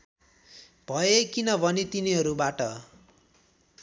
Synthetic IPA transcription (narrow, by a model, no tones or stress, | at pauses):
bʱʌekinʌbʱʌnet̪iniɦʌɾubaʈʌ